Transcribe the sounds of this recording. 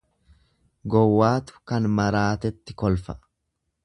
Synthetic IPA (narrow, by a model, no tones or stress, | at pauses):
ɡɔwːaːt̪ʊ̥kɐnmɐɾaːt̪ɛt̪ːɪkɔlfɐʔ